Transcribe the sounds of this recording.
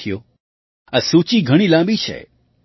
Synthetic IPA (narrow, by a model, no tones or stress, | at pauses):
ijo | asut͡ʃiɡʱəɽ̃ilãmbit͡ʃʰḛ